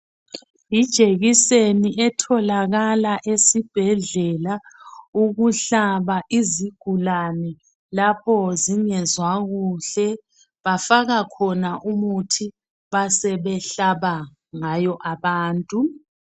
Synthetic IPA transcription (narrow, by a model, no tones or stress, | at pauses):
id̥ʒ̥ʱeɣiseniʔɛtʰɔlaɣalaʔesib̥ʱɛɮɛlauɣuɬaβaʔiziɡ̥ʱulanɛ | lapʰɔziŋɛzwaɣuɬɛ | βafaɣakʰɔnaʔumutʰi | βasɛβɛɬaβa | ŋajɔʔaβaːntʼu